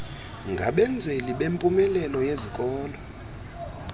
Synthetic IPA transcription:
ŋɡʱa̰ɓɛnd͡zʱeliɓempʼumɛlɛlɔjezikʼɔːlɔ

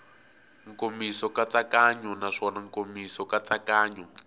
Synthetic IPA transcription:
ŋkomisɔkat͡sakaɲɔnaʂɔnaŋkomisɔkat͡sakaːɲɔ

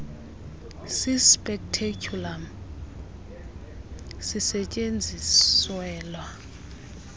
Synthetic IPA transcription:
sispʼɛktʰekʰula | sisɛt͡ʃʼend͡zʱiswɛːlwa

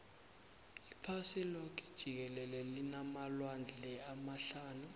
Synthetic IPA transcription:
ipʰasilɔk̬ʰʼɛ̥d̥ʒ̥ʱik̬ɛlɛlɛlinamalwand͡ɮʱɛamaɬaːnu

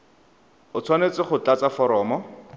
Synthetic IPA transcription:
ʊt͡sʰwanet͡sɪχʊt͡ɬat͡safɔɾɔːmɔ

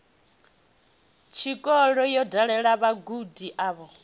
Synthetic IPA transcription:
t͡ʃʰikʼɔɺɔjɔdaɺɛɺaβaɡudiʔaːβɔ

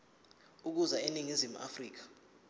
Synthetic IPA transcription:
uk̬uzaeniŋizimṵʔa̰friːk̬ḁ

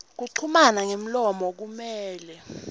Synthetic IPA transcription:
k̬uǀʰumanaŋem̩lɔmɔk̬umɛːlɛ

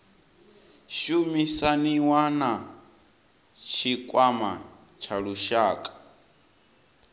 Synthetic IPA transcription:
ʃumisaniwana | t͡ʃʰikʼwama | t͡ʃʰaɺuʃaːkʼḁ

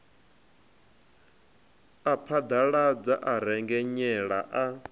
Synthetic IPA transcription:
apʰad̪aɺad͡zaʔaɾɛŋɡɛɲɛɺa̰ʔa

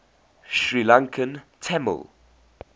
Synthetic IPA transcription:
ʃɹilãŋkʰə̃ntʰɛmə̰l

